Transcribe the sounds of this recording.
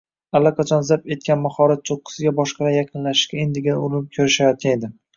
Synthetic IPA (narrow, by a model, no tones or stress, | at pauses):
alːɒqʰɑt͡ʃʰɒnzaɾpe̞t̪̚kʲanmaχɒɾat̪̚t͡ʃ̪ʰoqːɨ̥sɪɡʲabɒʃqʰɑlajaqʰɨnlaʃɪ̥ʃkʲaend̪ɪɡʲɪnɪʊɾɪnɪp̚kʲʰɵɾɪʃajɒt̪̚ʲaned̪ɪ